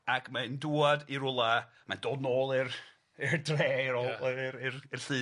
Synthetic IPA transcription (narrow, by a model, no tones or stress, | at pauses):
akʰmanduːadiɾʊlˠa | mandɔnoːlˠɨr | ɪrdreːɾɔɾɪrɪrɬɨː